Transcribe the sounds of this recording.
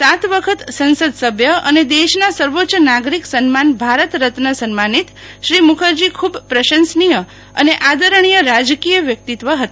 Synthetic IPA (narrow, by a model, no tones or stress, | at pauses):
sat̪ʋəkʰət̪sə̃nsəd̪səbʱjəə̰ned̪eʃnasəɾʋotːt͡ʃənaɡɾiksənmanbʱaɾət̪ɾət̪nəsənmanit̪ | ʃɾimukʰəɾd͡ʒikʰubpɾəʃənsnijə | əneʔad̪əɾəɳ̃ijəɾad͡ʒkijəʋjək̚t̪it̪ʋəɦət̪aḁ